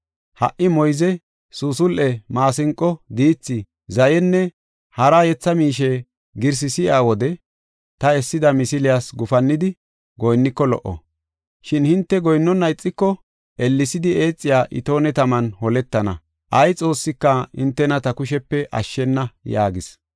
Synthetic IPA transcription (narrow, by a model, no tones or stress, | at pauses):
hɐ̰ʔːɪmɔjzɛ | susʊlʔɛmaːsɪŋkʼːɔd̪iːt͡sːɪ | zɐjɛnːɛ | hɐɾajɛt͡sːɐmiːʃ̬ɛ | ɡɪɾs̬ɪsɪaːwɔd̪ɛ | t̪ɐɛsːɪd̪ɐmɪsɪlɪjasɡʊfɐnːɪd̪ɪ | ɡɔjnːɪkːɔlɔ̰ʔɔ̰ | ʃɪnhɪnt̪ːɛɡɔjnːɔnːɐjɪt͡sʼːɪkːɔ | ʔɛlːɪsɪd̪ɪe̞ːt͡sʼːɪjaːʔɪ̰t̪o̞ːnɛt̪ɐmɐnhɔlɛt̪ːɐnɐ̰ | ʔɐjt͡sʼo̞ːsːɪkːɐhɪ̰nt̪ːɛnɐt̪ɐkʊʃɛpːɛʔɐ̰ʃːɛnːɐja̰ːɡɪs